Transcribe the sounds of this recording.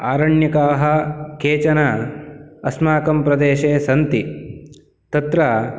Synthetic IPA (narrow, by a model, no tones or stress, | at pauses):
aːɾɐɳjɐkaːɦɐkʰeːt͡ʃɐna | ɐsmaːkɐmpɾɐd̪eːʃeːsɐnt̪i | t̪ɐt̪ɾɐ